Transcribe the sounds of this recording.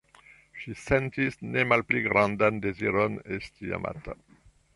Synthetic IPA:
ʃisɛ̃nt̪isnemalplyɡɾãnd̪and̪eziɾɔnest̪ia̰mʔa̰t̪a

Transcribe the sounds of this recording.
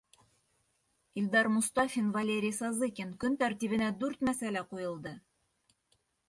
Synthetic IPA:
ilʲd̪ɑrmʊst̪ɑfʲinvɐlʲeɾʲɪjsɑzɨkʲenkɵnt̪æɾt̪iβɘ̆næd̪ʉɾt̪mæsælæqujɤ̆lˠd̪ɤ

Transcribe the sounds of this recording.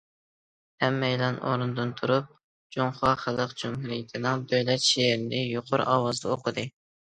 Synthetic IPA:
hɛmːɛjlɑnʔo̰ɾɨnd̪ɨnt̪ʰuɾup̚ | d͡ʒoŋχɑχəlˠəqd͡ʒumɦuɾijɪt̪ʰɪnɪŋd̪øjlɛt̪ʃeɾɪnɪjuqʰʊɾɑ̰ːwɑzd̪ɑoqʰəd̪ɨ

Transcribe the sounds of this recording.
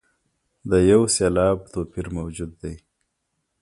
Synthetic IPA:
d̪əjawselɑːb̚t̪oːpiɾmawd͡ʒud̪ːaj

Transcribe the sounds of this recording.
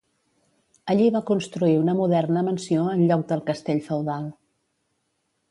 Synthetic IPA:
əʎiβakunst̪ɾuiunəmuðɛrnəmənsioənʎɔk̚d̪əlˠkəst̪eʎfəwðalˠ

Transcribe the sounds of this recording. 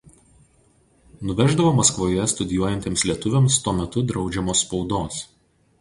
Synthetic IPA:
nʊʋʲɛʒd̪ɐʋoːmɐskʋoːjɛst̪ʊd̪ʲɪjuɔjɛnʲt̪ʲeːmslʲiɛt̪ʊʋʲemst̪uɔmʲɛt̪ʊd̪ɾɒʊd͡ʒʲɛmoːspɒʊd̪oːs

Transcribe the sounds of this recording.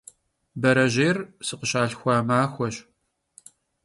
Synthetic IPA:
bɐɾɐʑeːrsɨqəɕaːɬxʷɑːmaːxʷɔɕ

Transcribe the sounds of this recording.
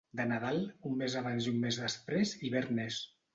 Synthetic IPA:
d̪ənaðalˠumːezaβanzumːezðəspɾeziβɛɾnɛs

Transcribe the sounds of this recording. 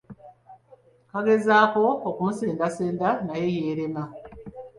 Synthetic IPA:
kaɡe̞zaːko̞ːkumuseːndaseːndanaje̞jeːɾema

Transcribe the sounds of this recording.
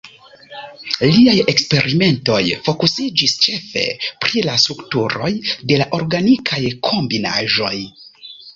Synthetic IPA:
liaje̞kspe̞ɾʔime̞nto̞jfo̞kusid͡ʒist͡ʃe̞fe̞̰pɾilastɾuktuɾo̞jde̞laʔo̞ɾɡanikʰajkʰo̞mbina̰ʒo̞j

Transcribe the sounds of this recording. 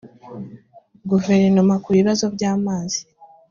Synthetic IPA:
ɡuve̞ɾinomakuβiβazo̞βɟaːmaːzi̥

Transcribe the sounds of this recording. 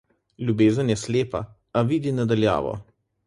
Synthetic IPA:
lʲjubeːzənjɛsleːpa̰ | aʋiːd̪inad̪alja̰ːʋɔ̰

